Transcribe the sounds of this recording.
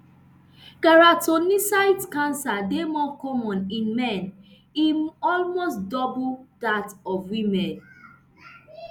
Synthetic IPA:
ɡ̥aɹatonisaɪtkãnsademɔkɔmɔ̃nĩnmɛn | imɔlmosdɔbudatɔvwimɛ̃n

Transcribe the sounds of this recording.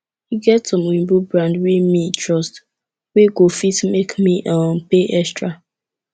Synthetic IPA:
hiɡɛtsɔ̃mwĩmbubɹãndwimitʰɹɔst | weɡofitmekmiʔɔ̃mpeʔɛstɹa

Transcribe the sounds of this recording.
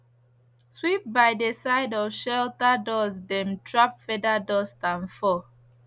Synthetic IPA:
swip̚bajdesaɪdɔfʃɛltadɔsdɛ̃mtɹap̚fɛdadɔstãnfɔ

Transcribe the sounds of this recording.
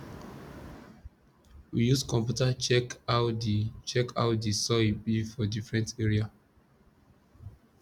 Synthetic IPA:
wijuskɔ̃mpjutat͡ʃɛkaʊdit͡ʃɛkʰa̰ʊdisɔibifɔdifɹɛ̃nteɹia

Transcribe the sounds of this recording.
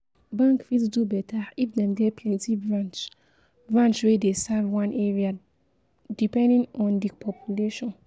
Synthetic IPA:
bãŋkfisdubɛtaifdɛ̃mɡɛpʰɛ̃nitivɹãnt͡ʃ | ɹãnt͡ʃwedesavwãnʔɛɹia | dipɛ̃ndĩŋɔ̃ndipʰɔpʰjuleʃɔ̃n

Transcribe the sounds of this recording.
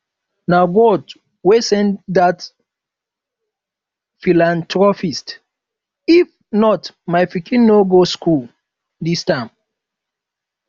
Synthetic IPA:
naɡɔd | wesɛ̃ndat | filãntɹɔfist | if | nɔtmaɪfikĩnnːoɡoskul | distãɪ̃m

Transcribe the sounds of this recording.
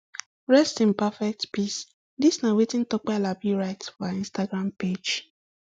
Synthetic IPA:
ɹɛstɪ̃npafɛk̚tpis | disnawetɪ̃n̩tɔk͡palabiɾaɪtsbaĩnstaɡɾamped͡ʒ

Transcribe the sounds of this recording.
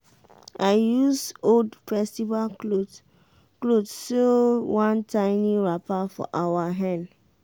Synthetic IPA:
ʔaɪjusoldfɹɛstiva | klodsowãntʰãɪniɹapafɔ̰ʔawaɦɛ̃n

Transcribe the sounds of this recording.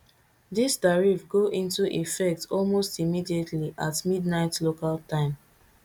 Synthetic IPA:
disdaɹivɡoʔĩntuʔifɛk̚tɔlmostimidietʰliʔatmidnaɪtlokaltãɪ̃m

